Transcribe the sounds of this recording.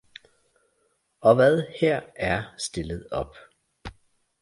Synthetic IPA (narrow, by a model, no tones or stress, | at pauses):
ɒ̽ʋæð̞ˠheɐ̰æɐsd̥e̝ləð̞̩ˠɒ̽b̥